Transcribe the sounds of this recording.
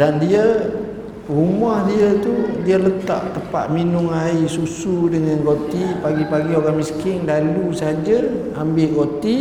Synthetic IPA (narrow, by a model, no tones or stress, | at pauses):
dandiə | rumahdiət̪udiələt̪a̰ʔt̪əpa̰ʔ̪̚minʊŋaisusudəŋanɡot̪ipaɡipaɡioɾaŋmisə̥kɪŋdalusəad͡ʒə | ambɪʔkot̪i